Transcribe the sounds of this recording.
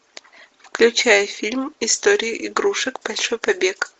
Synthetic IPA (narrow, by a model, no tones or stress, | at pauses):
fklʲʊt͡ɕæjəfʲilʲmɪst̪oɾʲɪjʊʔɪɡɾuʂɨkbɐlʲʂojpɐbʲek